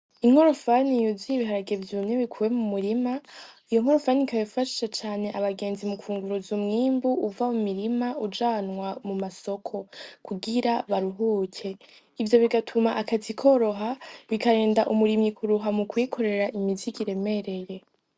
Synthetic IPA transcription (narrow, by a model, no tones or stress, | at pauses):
iŋ̥hoɾofanijuziiβiɦaɾaɡevjumɲeβikʰuːwe̞mumuɾimaijo̞ŋ̥o̞ɾofanikajifaʃi̥ʃat͡ʃaːne̞ʔaβaɡe̞ːnzimukuːŋɡuɾuzumŋiːmbuːvamumiɾimaud͡ʒaːnŋwamumaso̞kʰo̞kʰuɡiɾaβaɾuɦuːcʰe̞ | ivjo̞βiɡatʰumaʔakatikʰo̞ɾo̞ɦaβikaɾe̞ːndaʔumuɾimikʰuɾuɦamukwikʰo̞ɾe̞ɾaʔimiziɡiɾe̞me̞ɾe̞je̞